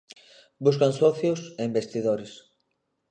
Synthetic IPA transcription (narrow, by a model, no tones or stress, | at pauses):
bus̬kansɔθjʊseimbest̪iðoɾɪs